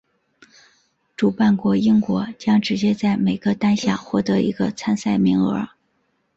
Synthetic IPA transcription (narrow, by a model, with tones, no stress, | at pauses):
ʈ͡ʂu˨˩pa˥˩nkwɔ˧˥i˥ŋkwɔ˧˥t͡ɕjɑ˥ŋʈ͡ʂɻ̩˧˥t͡ɕjɛ˥t͡sa˥˩ɪme˨˩ɪɡə˧t̪a˥nɕja̰˥˧˩xwɔ˥˩t̪ɤ˧˥ʔḭ˧˥ɡə˧t͡sʰa˥nsa˥˩ɪmi˧˥ŋə̰˞˧˥